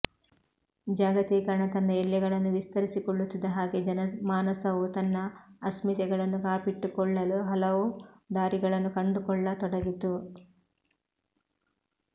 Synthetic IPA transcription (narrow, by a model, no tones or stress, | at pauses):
d͡ʒaːɡɐt̪iːkɐɾɐɳɐt̪ɐnːɐɛljɐɡɐɭɐnːuʋist̪ɐɾisikɔɭːut̪ːid̪ɐɦaːɡe̞d͡ʒɐnɐmaːnɐsɐʋut̪ɐnːɐːsmit̪ɛɡɐɭɐnːukaːpiʈːukɔɭːɐluɦɐlɐʋud̪aːɾiɡɐɭɐnːukɐɳɖukɔɭːɐt̪ɔɽɐɡit̪u